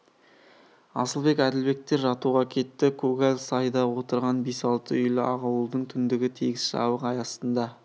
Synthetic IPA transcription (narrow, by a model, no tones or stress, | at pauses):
ɑ̰səlˠbe̞kæd̪ɪlbe̞k̚t̪e̞ɾʒɑt̪uʁɑkʲʰe̞t̪ːɪkʰɵɡalʲsɑjd̪ɑwo̞t̪əɾʁɑnbesɑlˠt̪əʏjlɪʔɑʁɑwəlˠd̪əɴt̪ʰʏnd̪ɪɡʲɪt̪ʰeɡʲɪsʃɑ̰bəqɑjɑsənd̪ɑ